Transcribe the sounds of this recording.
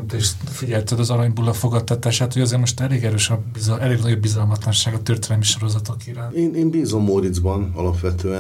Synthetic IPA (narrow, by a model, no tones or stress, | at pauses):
d̪ɛʃfiɟɛlt̪ɛd̪ɒzɒɾɒɲbulːɒfo̞ɡɒt̪ːɒt̪aːʃaːt̪hoɟɒzeːrmo̞ʃt̪ɛleːɡɛɾøːʃɒbizʔɛleːɡnɒɟo̞bːizɒlmɒt̪lɒnʃaːɡɒt̪ørt̪eːnɛmiʃo̞ɾo̞zɒt̪o̞kiɾaːneːneːnbiːzo̞mːoɾid̪zbɒnɒlɒpʋɛt̪øːɛ